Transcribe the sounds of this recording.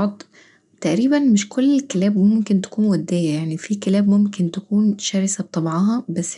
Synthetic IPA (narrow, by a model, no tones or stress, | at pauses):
d̪ˤ | t̪æʔɾiːbænmɪʃkolːelkelæːbmomkent̪æ̥kuːnwæd̪ːæːjæjaʕnifiːkelæːbmomkent̪ækuːnʃæːɾsæb̚t̪ˤɑbʕɑɦɑbæsː